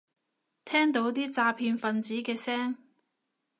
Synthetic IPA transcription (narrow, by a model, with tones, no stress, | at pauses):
t̪ʰɛː˥ŋt̪̬o˨˧˥wt̪iː˥t͡saː˧pʰiː˧nfɐ˨nt͡siː˨˥kɛː˧sɛː˥ŋ